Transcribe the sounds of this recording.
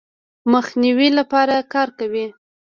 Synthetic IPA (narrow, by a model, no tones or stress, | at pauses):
məxniwilapɑɾakɑɾkawi